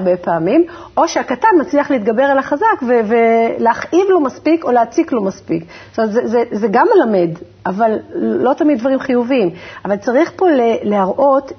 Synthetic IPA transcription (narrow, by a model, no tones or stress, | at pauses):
bepaːmimʔo̞ʃeakatanmat͡sliaχleit̪ɡabe̞ʁalaχazakveveleaχʔivlo̞maspiko̞leat͡siklo̞maspik | stomt̪zezezeɡamːelame̞d | ʔavalːo̞t̪amid̪vaʁimχijuviimavalt͡saʁiχpo̞lelehaʁʔo̞t